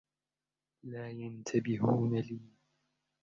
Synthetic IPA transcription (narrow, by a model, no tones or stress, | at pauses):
laːjant̪ʰabɪɦuːnaliː